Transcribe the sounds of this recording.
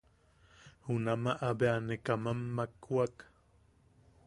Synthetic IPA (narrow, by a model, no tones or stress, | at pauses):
hunamaʔabeanekamamːakuak